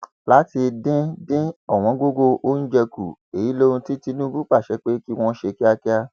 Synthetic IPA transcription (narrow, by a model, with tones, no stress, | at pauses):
la˦ti˧dĩ˦dĩ˦ɔ˦˨w̃ɔ̃˨˦ɡo˦ɡo˧ʔo˦n̩˦d͡ʒɛ˧ku˨e˨ji˨˦lo˦ɾũ˧ti˦ti˧nũ˦bu˦k͡pa˦˨ʃɛ˧˦k͡pe˦ki˦w̃ɔ̃˦ʃe˧ki˦a˧ki˦a˧